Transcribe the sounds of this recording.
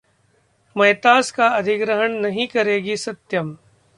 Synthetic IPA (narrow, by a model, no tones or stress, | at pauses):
mɐjt̪aːskaɐd̪ʱɪɡɾəɦənnɐɦĩkɐɾeːɡisɐt̪jəm